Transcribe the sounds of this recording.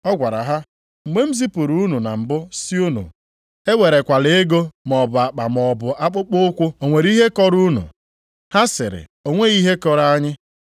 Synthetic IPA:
ɔ˦ɡʷa˨ɾa̰˨ɦa˦˨ | mʷe˦m̩˦zi˦pu˨ɾu˦u˦nu˨na̰˨m̩˨bʊ˦si˦u˦nṵ˨ | e˦we˨ɾe˨kʷa˨le˨e˦ɡo˦mɔ˨bʊ˨a˨k͡pa˨mɔ˨bʊ˨a˦k͡pʊ˦k͡pʊ˦ʊ˦kʷʊ˦o˨ŋʷe˨ɾi˦ɦe˦kɔ˦ɾu˦nṵ˨ | ha˦sɪ̰˨ɾɪ̰˨o˨ŋʷe˦ɣi˦ɦe˦kɔ˦ɾa˦ɲɪ˦

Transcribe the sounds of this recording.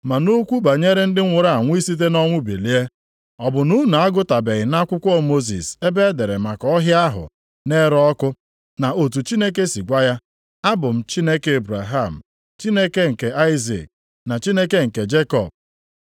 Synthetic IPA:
ma˨no˦kʷu˦ba˨ɲe˦ɾe˦n̩˦dɪ˦ŋʷʊ˨ɾa˦˨a˨ŋʷ˦i˦si˦t̬e˦nɔ˦ŋʷʊ˦bḛ˨li˦e˦ | ɔ˨bʊ˨nu˦na˨a˦ɡʊ˦ta˨be˨ɣɪ˨na˦kʷʊ˦kʷɔ˦mo˦z̬ḭ˨se˦be˦de˨ɾe˨ma˨kɔ˦ɦja˦ɦʊ̰˨ | ne˦ɾɔ˦kʊ˦ | na˨o˨t̬u˨t͡ʃi˦ne˦k̬e˦si˨ɡʷa˦ja˦ | a˦bʊ˨m̩˨t͡ʃi˦ne˦ke˦e˨bɾa̰˨ɦa˦˨m̩˨ | t͡ʃi˦ne˦ke˦ŋ̩˨ke˨a˦ɪ˦zḭ˨k̚ | na˨t͡ʃi˦ne˦ke˦ŋ̩˨ke˨d͡ʒe˦kɔ̰˨b̚

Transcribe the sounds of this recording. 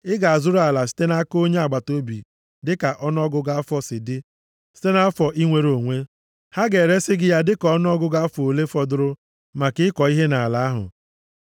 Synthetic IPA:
ɪ˦ɡa˨a˨zʊ˦ɾʊ˦a˨la˨si̥˦te˦na˦ko˦ɲe˦a˨ɡ͡ba˨to˦bi˨ | dɪ˦ka˨ʔɔ˦n˦ɔ˦ɡʊ˦ɡa˦a˦fɔ˦sɪ˨dɪ˦ | si̥˦te˦na˦fɔ˨ʔi˦ŋʷe˨ɾo˨ŋʷe˦ | ha˦ɡe˨ɾe˦sɪ˦ɡɪ˦ja˦dɪ˦kɔ˦n˦ɔ˦ɡʊ˦ɡa˦fo˨le˦fɔ˨dʊ˦ɾʊ˦ | ma˨kɪ˦ɪ˦kɔ˨i˦ɦe˦na˨la˨a˦ɦʊ̰˨

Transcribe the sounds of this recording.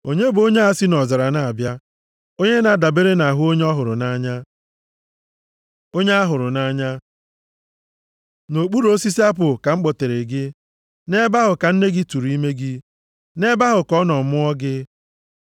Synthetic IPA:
o˦ɲe˦bo˦ɲe˦a˨si˦nɔ˨za˨ɾa˨na˦a˨bja˦ | o˦ɲe˦na˨da˨be˦ɾe˦na˨ɦʊ˦o˦ɲe˦ɔ˦ɦʊ˨ɾʊ̰˨na˦ɲa˦ | o˦ɲe˦a˦ɦʊ˨ɾʊ˨na˦ɲa˦ | no˨k͡pu˦ɾo˦si˦si˦a˦p̬ʊ˨ka˨ŋ͡m̩˦k͡pɔ˨te˨ɾe˨ɡɪ˦ | ne˦ba˦ɦʊ˨ka˨n̩˦ne˦ɡɪ˦tu˨ɾi˦me˦ɡɪ˦ | ne˦ba˦ɦʊ˨kɔ˦nɔ˨mʊ˦ɔ˦ɡɪ˦

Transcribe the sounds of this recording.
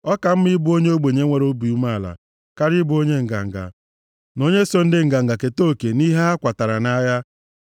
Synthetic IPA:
ɔ˦ka˨m̩˦mi˦bʊ˦o˦ɲe˦o˦ɡ͡be˨ɲe˦ŋʷe˨ɾo˦bi˨u˦ma˦˨la̰˨ | ka˦ɾi˦bʊ˦o˦ɲe˦ŋ̩˨ɡa̰˨ŋ̩˨ɡa̰˨ | no˦ɲe˦so˦n̩˦dɪ˦ŋ̩˨ɡa˨ŋ̩˨ɡa˨ke˨to˦˨ke˨ni˦ɦe˦a˦kʷa˨ta˨ɾa˨na˦ja˦

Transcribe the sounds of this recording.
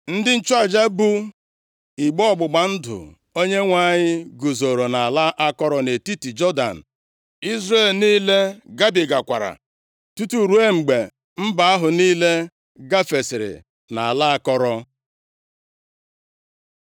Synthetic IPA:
n̩˦dɪ˦n̩˦t͡ʃwa˦˨d͡ʒa˦bu˦ | i˨ɡ͡bɔ˦ɔ˦˨ɡ͡bʊ˨ɡ͡ba˨n̩˦dʊ̰˨ | o˦ɲe˦ŋʷa˦˨ɲɪ˦ɡu˨zo˨ɾo˨na˨a˨la˦ʔa˦kɔ˦ɾɔ˦ne˨ti˦ti˨d͡ʒɔ˦da̰˨n̩˨ | i˦zɾe˦˨lniː˦le˦ɡa˦bi˨ɡa˨kʷa̰˨ɾa̰˨ | tu˦tu˨ɾu˨˦e˦ŋ͡m̩˨ɡ͡be˨ | m̩˦ba˨a˦ɦʊ˨niː˦le˦ | ɡa˦fe˨sɪ˨ɾɪ̰˨ | na˨a˨la˦a˦kɔ˦ɾɔ˦

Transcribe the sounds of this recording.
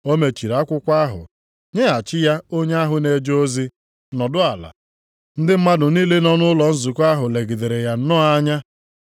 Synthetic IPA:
o˦me˨t͡ʃi˨ɾa˦kʷʊ˦kʷa˦ɦʊ̰˨ | ɲe˦a˨t͡ʃɪ˦ja˦o˦ɲe˦a˦ɦʊ˨ne˨d͡ʒo˦zi˦ | nɔ˨dʊ˦a˨la̰˨ | n̩˦dɪ˦m̩˦ma˦dʊ˨niː˦le˦nɔ˦nʊ˦lɔ˨n̩˦zu˨ku˦a˦ɦʊ˨le˨ɡi˨de˨ɾe˨ja˨n̩˦nɔ˦a˦ɲa˦

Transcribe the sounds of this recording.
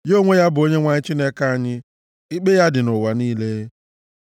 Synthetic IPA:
jo˦ŋʷe˦ja˦bʊ˨o˦ɲe˦ŋʷa˨ɲɪ˦t͡ʃi˦ne˦ka˦a˨ɲɪ˦ | i˦k͡pe˦ja˦dɪ˨nʊ˨wa˨niː˦le˦

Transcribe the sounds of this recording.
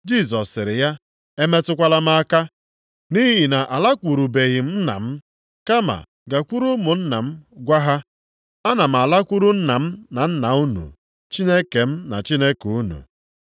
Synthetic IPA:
d͡ʒi˦˨sɔ˨sːɪ˨ɾɪ˨ja˦ | e˦me˦tʊ˦kʷa˦la˦m˦a˦ka˦ | ni˦ɦi˦ɦi˨na˨ʔa˨la˦kʷu˨ɾu˨be˨ɣi˨m̩˦na̰˨m̩˦ | ka˦ma̰˨ | ɡa˨kʷu˦ɾu˦mʊ˨n̩˦na˨m̩˦ɡʷa˦ɦa˦ | a˦na˨m̩˨a˨la˦kʷu˦ɾu˦n̩˦na˨m̩˦na˨n̩˦na˨u˦nṵ˨ | t͡ʃi˦ne˦ke˨m̩˦na̰˨t͡ʃi˦ne˦ke˨u˦nṵ˨

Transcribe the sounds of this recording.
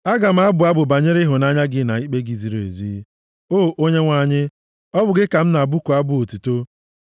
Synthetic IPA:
a˦ɡa˨m̩˦a˦bʊ˨a˦bʊ˨ba˨ɲe˦ɾɪ˦ɦʊ˨na˦ɲa˦ɡɪ˦na˨i˦k͡pe˦ɡi˨zi˨ɾo˨ḛ˨zi˦ | oː˦˨ʔo˦ɲe˦ŋʷa˨˦ɲɪ˦ | ɔ˦bʊ˨ɡɪ˦ka˨m̩˦na˨bu˦ku˨a˦bʊ˨o˨tu˨to˦

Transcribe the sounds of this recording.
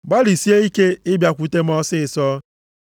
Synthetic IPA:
ɡ͡ba˦li˨si˦e˦i˦ke˦ɪ˦bja˨kʷu˦te˦m̩˦ɔ˦sɪ˦ɪ˨sɔː˦

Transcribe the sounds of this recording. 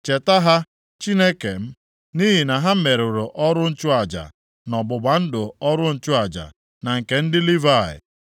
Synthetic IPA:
t͡ʃe˨ta˦ɦa˦ | t͡ʃi˦ne˦ke˨m̩˦ | ni˦ɦi˨na˨ɦa˦me˨ɾʊ˨ɾʊ˨ʔɔ˦ɾʊ˦n̩˦t͡ʃʊ˦a˨d͡ʒa̰˨ | nɔ˨ɡ͡bʊ˨ɡ͡ba˨n̩˦dʊ˨ɔ˦ɾʊ˦n̩˨t͡ʃʊ˦a˨d͡ʒa̰˨ | na˨ŋ̩˨ke˨n̩˦dɪ˦li˦va˦˨ɪ̰˨

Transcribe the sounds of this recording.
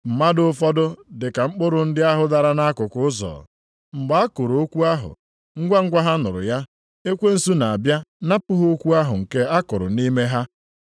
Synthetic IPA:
m̩˨ma˦dʊ˦fɔ˦dʊ˦dɪ˨ka˨ŋ͡m̩˦k͡pʊ˦ɾʊ˨n̩˦dɪ˦a˦ɦʊ˦da˨ɾa˦na˦kʊ˨kʊ˨˦ʊ˦zɔ̰ː˨ | ŋ͡m̩˨ɡ͡ba˦a˦kʊ˨ɾo˨o˦kʷu˦a˦ɦʊ̰˨ | ŋ̩˦ɡʷa˦ŋ̩˦ɡʷa˦ɦa˦nʊ˨ɾʊ̰˨ja˦ | e˦kʷe˦n̩˦˨su˦na˨a˨bja˦na˦pʊ˦ɦʊ˦o˦kʷu˦a˦ɦʊ˨ŋ̩˨ke˦a˦kʊ˨ɾʊ̰˨ni˦me˦ɦa˦

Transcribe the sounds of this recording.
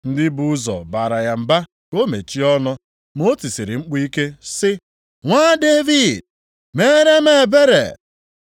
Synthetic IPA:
n̩˦dɪ˦bu˦zɔ̰˨baː˨ɾa˨ja˨m̩˨ba˦ | ko˦mḛ˨t͡ʃi˦ɔ˦nɔ˦ | m˦o˦ti˨si˨ɾɪ˨ŋ͡m̩˦k͡pi˦ke˦sɪ˦ | ŋʷaː˦de˦vi˦˨d̚ | meː˦ɾe˦me˨be˦ɾḛ˨

